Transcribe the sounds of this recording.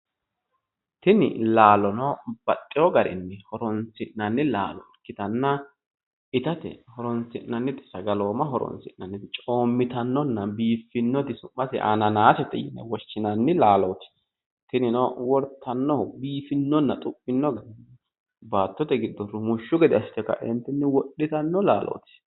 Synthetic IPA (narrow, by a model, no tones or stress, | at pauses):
t̪ɪnɪ̰laːlɔnɔb̥ɐt̪ʼːɪɔɡɐɾɪ̰nːɛhɔɾɔnt͡sɪʔnɐnːɪla̰ːlɔ̰kːɪt̪ɐnːɐ | ɪt̪ɐt̪ɛ̰hɔɾɔnt͡sɪʔnːɐnːɪt̪ʼɪ̥sɐɡɐloːmɐɦɔɾɔ̰nsɪ̰ʔnɐnːɪt͡ʃʼo̞ːmːɪt̪ɐnːɔnːɐbiːfːɪnːɔt̪ɪsʊmːɐtɪ̰ʔa̰nɐnaːsɛt̪ːɛ̰jɪ̰nːɛ̰wɔʃːɪnɐnːɪlaːlɔt̪ɪ̥ | t̪ɪnɪnɔwɔɾt̪ʰːɐnːɔbiːfɪnːɔnːɐt̪ʼʊpʼːɪnːɔɡɐd̪ɪnɛ | baːt̪ːɔt̪ɛɡɪd̪ːɔrɔmʊʃːʊɡɛd̪ɪɐst̪ːɛkːɐ̰ʔɪnt̪ːɪnːɪwɔɗːɪt̪ɐnːɔla̰ːlʔɔ̰ːt̪ɪ̥